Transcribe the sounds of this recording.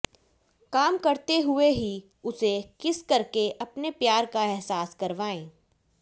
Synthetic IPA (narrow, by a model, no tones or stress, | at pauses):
kaːmkɐɾt̪eɦʊeɦi | ʊsekɪskɐɾkeʔɐpnepjaːɾkaɛɦsaːskɐɾʋaːẽː